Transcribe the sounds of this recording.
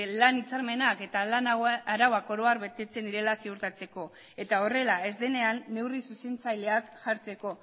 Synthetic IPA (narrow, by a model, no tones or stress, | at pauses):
lanit͡saɾme̞nake̞t̪alanaɾawako̞ɾo̞aɾβe̞t̪e̞t͡se̞nd̪iɾe̞lasiuɾt̪at͡se̞ko̞ | e̞t̪ao̞re̞lae̞zðe̞ne̞anːe̞wrisuse̞nt͡sajle̞akʝaɾt͡se̞ko̞